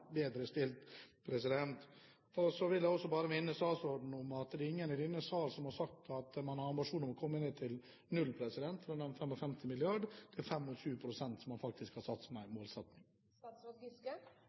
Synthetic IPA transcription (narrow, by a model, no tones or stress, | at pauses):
beːd̪ɾəst̪ɪlt̪pʰɾɛsɪd̪ɛnt̪ | ɔsɔʋɪljæɪɔsːɔbɑːɾəmɪnːəsɑːsɔɖ̪n̩ɔmɑt̪ɛd̪ɛɪŋːənɪd̪iːnəsʋɑːɾsɔmhɑɾʂɑk̚t̪ɑt̪mɑnhɑɾɑmbɪʂuːnɾmɔkʰɔmːəneːt̪ʰɪl | nʉlpʰɾɛsɪd̪ɛnt̪fɾɑnɛfɛmɔfɛmt̪ʰɪmɪlɪɑɖd̪̥ɛæɾfɛmːɔɕʉːpʰɾʊsɛnt̪sɔmːɑnfɑk̚t̪ɪskhɑsɑt̪smɛmoːlsɛt̪nɪŋ